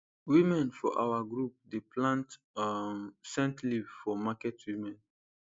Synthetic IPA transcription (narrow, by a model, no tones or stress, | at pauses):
wimɛ̃nfɔ̰ʔa̰waɡɹup̚deplãnt | msɛ̃ntlivfɔmakɛtwimɛ̃n